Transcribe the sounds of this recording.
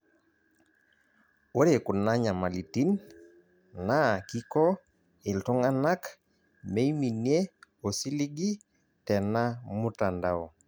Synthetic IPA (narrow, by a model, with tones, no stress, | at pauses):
wo˦ɾe˨kʊ˨na˦ɲa˨ma˨li˨ti˦n | na˦ki˦kɔ˦ | ɪ˨ltɔ˦ŋa˦na˦k | me˦i˦mi˨nje˦o˨si˦li˦ɡi˦ | tɛ˨na˦mu˦ta˨nda˨ɔ˨